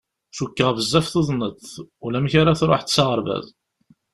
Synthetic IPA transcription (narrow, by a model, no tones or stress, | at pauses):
sukːəʁvəzːæfθuðˤnət̪ːulæmçaɾaθɾoħt̪t͡sːɑʁəɾˤvæ̰ð